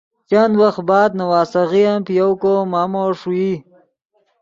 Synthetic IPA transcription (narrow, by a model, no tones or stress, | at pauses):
t͡ʃand̪waxt̪̚bɑːd̪̚nɐwɑːsaɣijampjowkomaːmoʂui